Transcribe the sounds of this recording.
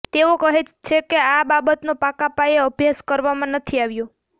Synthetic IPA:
t̪eokəɦet͡ʃt͡ʃʰekeababət̪nopakapaeəbʱjaskəɾʋamãnət̪ʰiaʋjo

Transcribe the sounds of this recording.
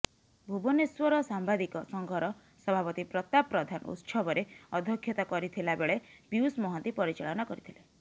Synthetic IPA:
bʱubɔneswɔɾɔsambad̪ikɔsɔŋɡʱɔɾɔ | sɔbʱapɔt̪ipɾɔt̪apɾɔd̪ʱanṵt̪sɔbɔɾeɔd̪ʱɔkʰjɔt̪ɔkɔɾit̪ʰilabeɭepiusmɔɦɔnt̪ipɔɾit͡ʃaɭɔnɔkɔɾit̪ʰile

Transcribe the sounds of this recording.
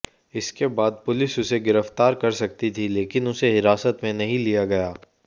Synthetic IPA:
ɪskebaːd̪̚pʊlɪsʊseɡɪɾəft̪aːɾkɐɾsɐk̚t̪it̪ʰileːkɪnʊseɦɪɾaːsət̪mẽnɐɦĩlijaɡɐjaː

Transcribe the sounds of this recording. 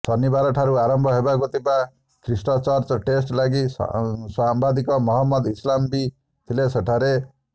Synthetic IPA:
d̪ʱɔnibaɾɔʈʰaɾuaɾɔmbʱɔɦebaɡot̪ʰiba | kʰɾisʈɔt͡ʃɔɾt͡ʃɔʈesʈlaɡḭswambad̪ikɔmɔɦɔmːɔd̪islambi | t̪ʰileseʈʰaɾe

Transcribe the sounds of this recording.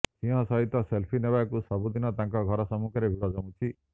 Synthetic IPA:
sĩɦɔ̃sɔɦit̪ɔselpʰinebakusɔbud̪inɔt̪aŋkɔɡʱɔɾɔsɔmukʰɔɾebʱilɔd͡ʒɔũt͡ʃʰi

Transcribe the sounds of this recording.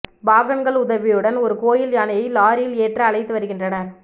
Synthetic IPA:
baːɣɐnɡɐɭʊðɐʋɪjɯɽɐnɔɾɯkoːjɪlɐnɐjɐɪlaːɾɪjɪleːʈrɐːɭɐɪt̪ːɯʋɐɾɯɣɪndrɐnɐɾ

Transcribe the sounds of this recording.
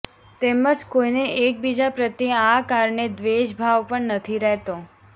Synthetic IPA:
t̪eməd͡ʒkoineʔek̚bid͡ʒapɾət̪ːiəakaɾɳed̪ʋeʃbʱaʋpəɳnət̪ʰiɾɛɦt̪o

